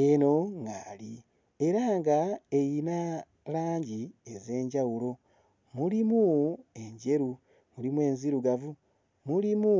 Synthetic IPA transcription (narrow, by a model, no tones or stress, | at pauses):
eno̞ŋɡali | e̞ɾaŋɡae̞jina | laːɲɟieze̞ːɲɟawulo̞ | mulimue̞ɲɟe̞ɾu | mulimwe̞ːnziɾuɡavu | mulimu